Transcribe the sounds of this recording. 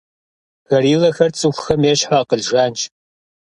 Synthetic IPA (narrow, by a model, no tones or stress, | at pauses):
ɣɐɾiːlɐxɐrt͡sʼɨxʷxɐmeːɕħaqəɮʒaːnt͡ʃʰʼ